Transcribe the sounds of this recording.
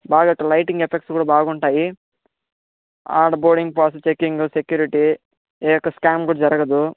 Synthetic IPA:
baːɡaɐʈːɐlɐjʈiŋɡepʰek̚ʈskuːɽaːbaːɡuɳʈaːji | a̰ːɖboːɽiŋɡpaːsɐt͡ʃekːiŋɡusekjuːɾiʈi | eːjɔkːɐskaːmkuːɽaːd͡ʒɐɾɐɡɐd̪u

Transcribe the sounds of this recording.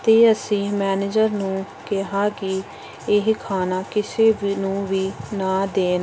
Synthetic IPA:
t̪eːəsĩːmɛːneːd͡ʒəɾnũː | kɪɦãːkɪ | ɪɦkʰaːnaːkɪseːʋnũːʋiːnãːd̪eːn

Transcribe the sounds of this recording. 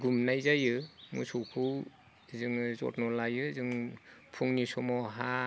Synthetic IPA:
ɡumnajzajɯmṵsɔwpʰɯw | zɯŋzɔ̰t̚nɔlajɯzɯŋpʰuŋnisɔmɔɦa

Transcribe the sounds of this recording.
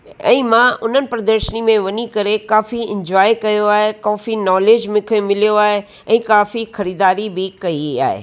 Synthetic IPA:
ɛ̰̃ːmãʔʊn̤ənɪ̆pɾɐd̪əɾʃənimẽʋɐɲikɐɾekaːfiɪ̃ɲd͡ʑwaːjkɐjoaːɦekaːfinɔːleːd͡ʒmɪkʰmɪlijoaːɦe | ɛ̃ːkaːfixɐɾiːd̪aːɾibɪkɐia̰ːɦḛː

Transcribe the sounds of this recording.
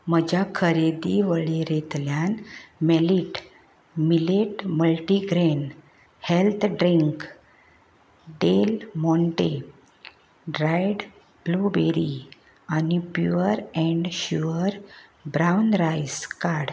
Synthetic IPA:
m̤əd͡ʑʱjakʰəɾed̪iʋəɭeɾet̪ljanmeliʈ | mileʈməlʈiɡɾen | helt̪ʰɖɾiŋk | ɖelmɔɳʈe | ɖɾajɖ | blubeɾi | anipjuəɾɛ̃ɳɖɕuəɾbɾawnɾajskaɽ

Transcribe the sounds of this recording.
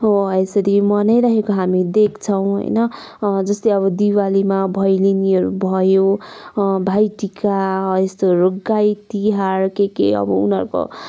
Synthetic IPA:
ɦoesʌɾimʌnʌjɾaɦekoɦamid̪ekʰt͡sʰʌw̃ɦʌ̰jnʌ | d͡zʌst̪ʌjʌβʌd̪iwalimabʱʌjliniɦʌɾubʱʌjo | bʱajʈikaest̪oɾoɡːajt̪iɦarkekḛʌ̰bʌ̰ṵnɦʌɾko̰

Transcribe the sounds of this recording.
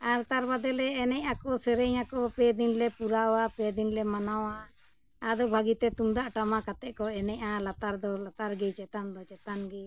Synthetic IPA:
aɾt̪aɾbad̪ɛlɛɛnɛcakɔsɛɾɛɲakɔpɛd̪inlɛpuɾawapɛd̪inlɛmanawa | ad̪ɔbʱaɡit̪ɛt̪umd̪aʔʈamakat̪ɛʔkɔɛnɛcalat̪aɾd̪ɔlat̪aɾɡɛt͡ʃɛt̪and̪ɔt͡ʃɛt̪anɡɛ

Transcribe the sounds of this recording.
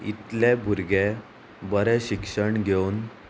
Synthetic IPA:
ḭt̪lebʱuɾɡe | bəɾɛɕikʂəɳɡʱeun

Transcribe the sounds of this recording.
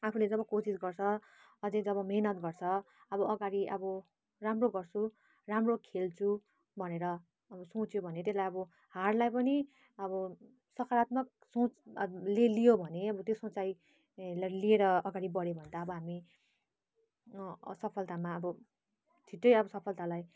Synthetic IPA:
apʰuled͡zʌbʌkosisɡʌrt͡sʰʌ | ʌd͡zed͡zʌβʌmeɦnʌt̪ɡʌrt͡sʰʌ | ʌbʌʌɡaɾiʔʌbʌ | ramroɡʌrt͡sʰu | ramrokʰelt͡sʰu | bʱʌneɾʌː | bʌsõt͡sjobʱʌnet̪eslajʌbʌ | harlajpʌni | ʌbʌ | sʌkʰaɾat̪mʌk̚ | sõt͡slelijobʱʌneʌbʌt̪josõt͡saj | llieɾʌʌɡaɽibʌɽebʱʌnd̪aʌbʌɦami | sʌpʰʌlt̪amaʌbʌ | t̪ʰiʈːʌjʌbʌsʌpʰʌlt̪alaj

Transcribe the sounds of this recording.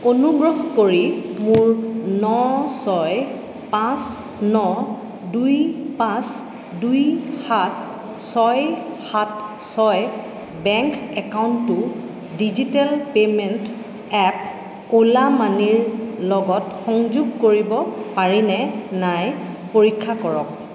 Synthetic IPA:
onuɡɹɔɦkoɹimuɹnɔsɔj | pãs | nɔ | dujpãs | dujhat | sɔjhat | sɔj | bɛŋkɛkawntʊ | dizitɛlpemɛnt | ɛp | olamaniɹlɔɡɔtxɔŋzuɡ̚koɹibɔpaɹinɛnajpoɹikʰːakɔɹɔk̚

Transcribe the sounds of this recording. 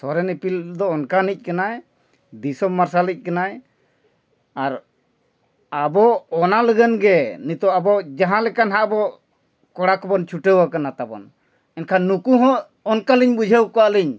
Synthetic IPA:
sɔɾɛnipild̪ɔɔnkanic̚ˀkanaj | d̪isɔmmːaɾsalic̚ˀkanaj | aɾ | abɔɔnaləɡənɡɛnit̪ɔʔabɔʔd͡ʒaɦãlɛkanɦaʔbɔ | kɔɽakɔbɔnt͡ʃʰuʈəwakanat̪abɔ̰n | ɛnkʰaːukuɦɔ̃ʔ | ɔnkaliɲbud͡ʒʱəwkɔaʔliɲ

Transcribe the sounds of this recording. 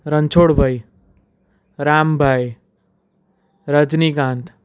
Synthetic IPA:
ɾənt͡ʃʰoːɽbʱəj | ɾaːmbʱaj | ɾəd͡ʒnikãnt̪ʰ

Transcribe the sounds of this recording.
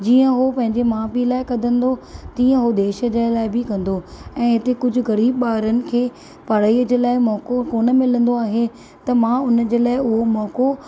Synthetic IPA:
d͡ʑiːə̃ɦopɐ̃ɦɪ̃ɲd͡ʑemãːpilaːɪkɐd̪ʱə̃nd̪ot̪iːə̃ɦod̪eːʃə̆d͡ʑaːlaːɪbʱɪkɐ̃nd̪oɛ̃ːɦɪt̪ekʊd͡ʑʱʊ̆ɣɐɾiːbɓaːɾənɪ̆kʰeː | pɐɽ̤aːiːəd͡ʑeːlaːɪmɔːkokoːnə̆mɪ̃lə̃nd̪oaːɦe | t̪ɐmãːʊnd͡ʑeːlaːɪʊɦomɔːko

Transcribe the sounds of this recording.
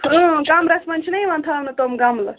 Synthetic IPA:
əɡaːmɾɐsmɐnt͡ʃʰinɐjʋɐnt̪ʰaːʋnɐt̪omɡamlɐ

